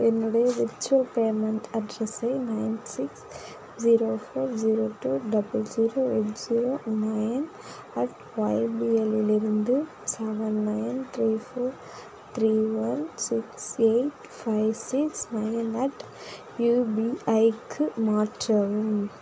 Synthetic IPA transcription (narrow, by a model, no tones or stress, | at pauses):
ɛnːuɽɐjɐʋɪɾt͡ʃːuɐlpeːmɐɳʈɐɖɾɐsɐɪnɐɪnsiks | d͡ʑiːɾoːfoːɾd͡ʑiːɾoːʈuːɖɐbɐld͡ʒiːɾoːeːʈd͡ʒiːɾoːnɐjn | ɐʈ | ʋɐjbiːelɪlɪɾɯnd̪ɯ | sɛʋɐnːɐjnt̪ɾiːfoːɾ | t̪ɾiːʋɐnsɪkseɪʈ | fɐɪʋsiksnɐjnɐʈ | juːbiːɐjkʰːɯmaːʈrɐʋum